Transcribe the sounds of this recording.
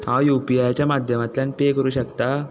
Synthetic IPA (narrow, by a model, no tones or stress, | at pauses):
t̪ajupiajt͡ɕjamad̪ʱjəmat̪lanpekəɾuːɕəkt̪a